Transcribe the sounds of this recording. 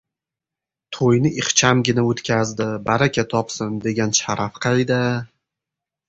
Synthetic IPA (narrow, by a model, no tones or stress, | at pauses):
t̪ʰojnɪɪχt͡ʃʰamɡʲɪnaot̪kʲazd̪ɪbaɾakʲʰat̪ʰɒpsɪnd̪e̞ɡʲanʃaɾafqʰajd̪a